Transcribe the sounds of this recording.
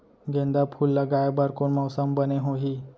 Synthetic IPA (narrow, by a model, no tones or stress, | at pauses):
ɡẽnd̪apʰulːaɡajabaɾkoɳmawsambəneɦoɦi